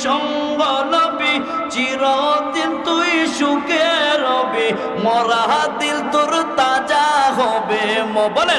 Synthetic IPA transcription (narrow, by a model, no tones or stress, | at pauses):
ʃɔŋ | ɡɔlɔbi | t͡ɕiɾɔt̪ilt̪ujʃukeɾɔbi | mɔɾaɦat̪ild̪uɾt̪ad͡ʒaɦɔbemɔbɔle